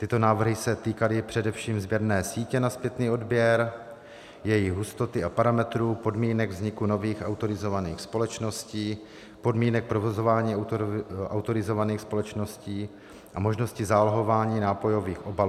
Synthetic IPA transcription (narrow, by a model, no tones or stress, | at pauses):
t̪ɪt̪o̞naːvr̩ɦɪsɛt̪iːkalɪpr̝̥ɛdɛfʃiːmzbjɛɾnɛːsiːcɛnaspjɛt̪niːo̞dbjɛɾ | jɛjɪɣɦust̪o̞t̪ɪapaɾamɛt̪ɾupo̞dmiːnɛɡvzɲɪkuno̞viːxʔawt̪o̞ɾɪzo̞vaniːxspo̞lɛt͡ʃno̞sciː | po̞dmiːnɛk̚pɾo̞vo̞zo̞vaːɲiː | ʔawt̪o̞ɾɪzo̞vaniːxspo̞lɛt͡ʃno̞sciː | ʔamoʒno̞scɪzaːlɦo̞vaːɲiːnaːpo̞jo̞viːxʔo̞baluː